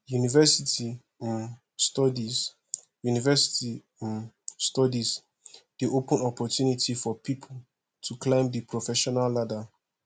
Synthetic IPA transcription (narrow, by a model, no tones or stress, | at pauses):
junivɛsitʰi | ĩn | stɔdiz | junivɛsi̥tĩ | stɔdiz | d̥iʔopə̃nɔpɔtjunitifɔpʰipʰul | tʰuklẽɪ̃mdipʰɹɔfɛʃɔnalːada